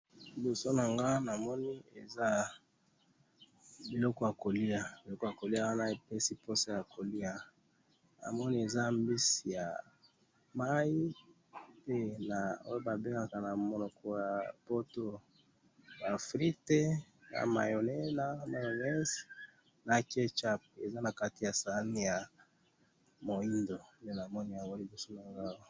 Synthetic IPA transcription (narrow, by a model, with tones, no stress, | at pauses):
bo˨so˦na˨ŋɡa˦na˨mɔ˦ni˦e˨za˦ | bi˨lɔ˦kɔ˦ja˨ko˨li˦a˨bi˨lɔ˦kɔ˦˨ja˨ko˨li˦a˦wa˦na˦e˨pe˦si˦pʰo˦sa˦ja˨kʰo˨li˦a˨ | na̰˨mɔ˦ni˦e˨za˦mbi˦si˨ja̰˨ | ma˦i˦ | pe˦na˨o˦jo˦ba˨be˦ŋɡa˨ka˨na˨mo˨nɔ˨kɔ˨ja˨po˦to˦ | ba˨fʁi˦te˦ | na̰˨ma̰˨jo˨nɛ˦na˨ma˨jo˨ŋɛ˦s | na˨ke˦t͡ʃa˦p̚e˨za˦na˨ka˦ti˨ja˨sa˨a˦ni˦ja˨ | mo˨i˦ndo˨me˦na˨mɔ˦ni˦a˨wo˦li˨bi˨so˦na˨ŋɡa˦wo˦